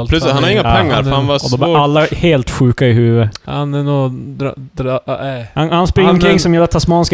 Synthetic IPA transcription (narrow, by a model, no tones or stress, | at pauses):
lshanhad̪ɪŋːapʰɛŋːaɾfhanvaɔd̪ɔblɛɾalːaheːlt̪ɧʉ̟ːkaɪɦʉ̟ːvəhanɛnud̪ɾd̪ɾhanhanspɾɪŋkʰɾɪŋsɔmjɛlːat̪ʰasmɑːnsk